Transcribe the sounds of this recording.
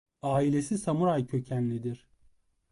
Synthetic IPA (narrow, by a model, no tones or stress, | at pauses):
aːilʲesisamuɾajcʰø̞cʰænlʲid̪iɾ̥